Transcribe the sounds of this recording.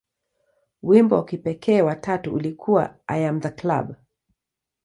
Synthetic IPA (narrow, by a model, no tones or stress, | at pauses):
wimbɔ̰wakipɛkʰɛːwatʰatuulikʰuwa̰ʔa̰jamðakla̰b